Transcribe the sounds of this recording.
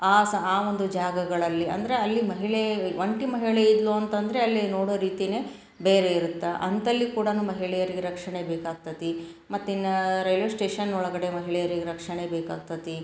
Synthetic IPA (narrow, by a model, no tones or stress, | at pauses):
aːsɐaːo̞nd̪ud͡ʒaːɡɐɡɐɭɐlːiɐ̰nd̪ɐɾeɐlːimɐɦiɭeʋɐɳʈimɐɦiɭeid̪loɐnt̪ɐnd̪ɐɾe̞ɐlːino̞ːɽoːɾiːt̪ine̞ː | beːɾe̞iɾut̪ːaʔɐnt̪ɐlːikuːɽɐnuːmɐɦiɭɛjɐɾiɡeɾɐkʂɐɳebeːkaːɡ̚t̪ɐt̪i | mɐt̪ːinːɐɾɐjlosʈeːʂɐnːɔɭɐɡɐɽe̞mɐɦiɭɛjɐɾiɡeɾɐkʂɐɳebeːkaːɡ̚t̪ɐt̪i